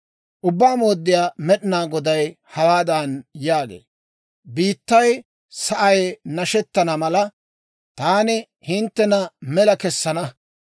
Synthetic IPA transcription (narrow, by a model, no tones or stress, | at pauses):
ʔʊbːaːmo̞ːd̪ːɪjaːmɛɗɪnaːɡɔd̪ɐj | hɐwaːd̪ɐnjaːɡḛː | biːt̪ːɐj | sɐʔɐjnɐʃɛt̪ːɐnɐmɐlɐ | t̪aːnɪ | hɪnt̪ːɛnɐmɛlɐkɛsːɐnɐ